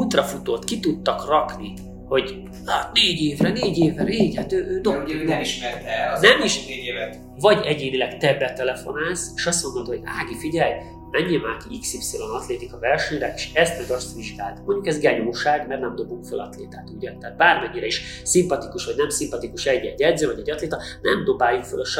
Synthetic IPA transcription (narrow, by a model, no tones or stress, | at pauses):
ut̪rɒfut̪ot̪kit̪ut̪ːɒkrɒkni | ho̞ɟ | ɒneːɟeːvrɛneːɟeːvɛɾeːɟhat̪øːʔøːd̪oiʃɛt̪nɛmiʃ | vɒɟɛɟeːnilɛɡt̪ɛbːɛt̪ːɛlɛfo̞naːseːʃɒsomːot̪ːhoɟaːɡifiɟɛl | mɛɲːimaːkiiksipselonɒt̪leːt̪ikɒvɛlʃɛɲrɛeʃɛst̪mɛdɒst̪ʋiʒɡaːlt̪moɲɟukɛzɡɛɲoːʃaːɡmɛrnɛmd̪o̞buŋkfølɒ̰t̪leːt̪aːt̪uɟɒnt̪ɛːt̪̚baːrmɛɲːiɾɛiʃ | simpɒt̪ikuʃʋɒɟnɛmsimpɒt̪ikuʃɛɟːɛɟːɛd̪zøːvɒɟɛɟːɒt̪leːt̪ɒnɛmd̪o̞baːjukfølʃ